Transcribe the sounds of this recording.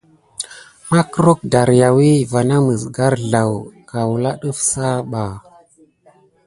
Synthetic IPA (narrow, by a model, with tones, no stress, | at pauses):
ma˦kɾo˦k̚da˨ɾja˨wi˦va˨na˦mə˨zɡa˦ɾɮa˨wka˨wu˨la˦ɗu˦fsa˦ɓa˨